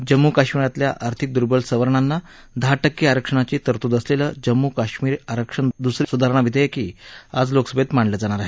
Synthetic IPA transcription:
d͡ʑəmːukaɕmiɾat̪ljaʔaɾt̪ʰik̚d̪uɾbəlsəʋəɾɳanːa | d̪ʱaʈəkːiaɾəkʂəɳ̃at͡ɕiːt̪əɾt̪ud̪əsleləd͡ʑəmːukaɕmiːɾaɾəkʂəɳd̪usɾsud̪ʱaɾɳ̃aʋid̪ʱəjekiːad͡zloksəbet̪maɳɖləd͡zaɽ̃aɾaɦe

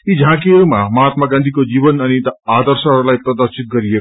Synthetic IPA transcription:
id͡zʱãkiʌɾumamʌɦat̪maɡãnd̪ʱikod͡zibʌnʌnit̪ad̪ʌrsʌɦʌɾulajprʌd̪ʌrsit̪̚ɡʌɾiek

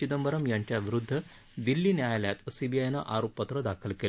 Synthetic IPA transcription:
id̪əmbəɾəmjaɲt͡ɕjaʋiɾud̪ʱːə | d̪ilːiːnjajljat̪sibijajna̰ʔaɾopːət̪ɾəd̪akʰəlkel

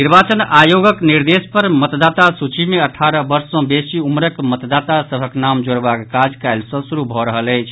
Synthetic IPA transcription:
niɾbat͡ʃənajoɡəkniɾd̪espəɾmət̪d̪at̪asut͡ʃimeəʈʰaɾəbəɾsɔ̃besiumɾəkmət̪d̪at̪asəbʱəknamd͡ʒoɽbakːad͡ʒkaɪlsɔ̃suɾubʱɔɾəɦələjt͡ʃʰ

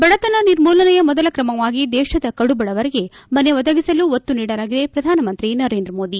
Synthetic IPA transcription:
bɐɽɐt̪ɐnɐniɾmuːlɐnɐjɐmɔd̪ɐlɐkɾɐmɐʋaːɡid̪ɛːʃɐd̪ɐkɐɽubɐɽɐʋɐɾeɡe̞mɐne̞ʋɔd̪ɐɡisɐluot̪ːuniːɽɐlaːɡid̪e̞pɾɐd̪ʱaːnɐmɐnt̪ɾinɐɾeːnd̪ɾɐmo̞ːd̪i

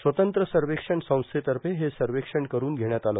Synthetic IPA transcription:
sʋət̪ənt̪ɾəsəɾʋekʂəɳsə̃w̃st̪ʰet̪əɾpeɦesəɾʋekʂəɳkəɾuːnɡʱeɽjat̪alə

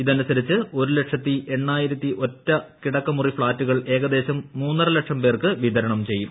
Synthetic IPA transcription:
iðɐnusɐɾit͡ɕːɨo̞ɾuleʈʂɐt̪ːiʔe̞ɳːaːjiɾɐt̪ːiʔo̞tːɐkiɽɐkːɐmurifɭaːtːuɣɐɭe̞ːɣɐd̪e̞ːɕɐmːuːnːɐrɨlɐkʂɐmpe̞ːrkɨʋiðɐɾɐɳɐmt͡ɕe̞jːum

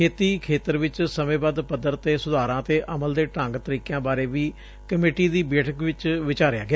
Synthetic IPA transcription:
kʰeːt̪iːkʰeːt̪əɾʋɪt͡ʃsəmẽːbaːd̪pəd̪ːəɾt̪eːsʊd̪aːɾãːt̪eːʔəməld̪eːʈə̃ŋɡt̪əɾiːkjãːbaːɾeːʋiː | kəmeːʈiːd̪iːbeːʈʰəkʋɪt͡ʃʋɪt͡ʃaːɾɪja̰ːɡɪja

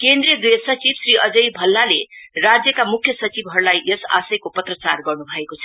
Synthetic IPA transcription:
kend̪rijʌd̪eʌsʌt͡sibsriʔʌd͡zʌjbʱʌlːalerad͡zjʌkamukʰjʌsʌt͡sibʱɦʌɾulajʔʌsa̰sʌjkopʌt̪rʌt͡sarɡʌrnubʱʌekot͡sʰʌ

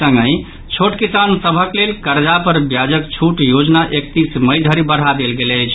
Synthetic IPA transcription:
ə̃ŋɡə̃ɪ | t͡ʃʰoʈkisansəbʱəklelkəɾd͡ʒapəɾbjad͡ʒəkt͡ʃʰuʈjod͡ʒnaʔek̚t̪isməjd̪ʱəɾibəɽ̤ad̪elɡelət͡ʃʰ

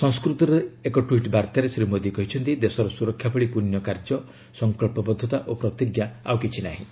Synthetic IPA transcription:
sɔŋskɾut̪ɔɾeekɔʈwiʈbaɾt̪aɾesɾimod̪ikɔɦit͡ʃʰɔnt̪id̪esɔɾɔsuɾɔkʰːjapɔɭipunjɔkaɾd͡ʒɔ | sɔŋkɔɭpɔbɔd̪ʱːɔt̪aʔopɾɔt̪iɡjaawkit͡ʃʰinaɦḭ̃

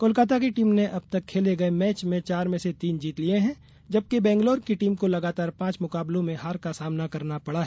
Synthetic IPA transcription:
koːlkaːt̪̬akeʈiːmneʔɐb̚t̪ɐkʰːeːleɡɐemɛːt͡ʃmẽt͡ʃaːɾmẽset̪iːnd͡ʒiːt̪lieɦɛ̃ | d͡ʒɐb̚kebɛ̃ːŋɡloːɾkiʈiːmkolɐɡaːt̪aːɾpãːt͡ʃmʊkaːblõmẽɦaːɾkasaːmnakɐɾnapɐɽaɦ

